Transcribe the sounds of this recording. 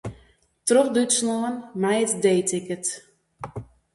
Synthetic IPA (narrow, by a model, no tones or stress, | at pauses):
troxdytsnoənmajətdeːtɪkət